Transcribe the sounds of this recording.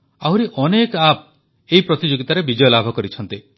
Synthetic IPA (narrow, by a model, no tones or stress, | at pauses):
awɾiʔɔnekap̚ | eɦipɾɔt̪id͡ʒoɡit̪aɾebid͡ʒɔjɔlabʱɔkɔɾit͡ʃʰɔnt̪i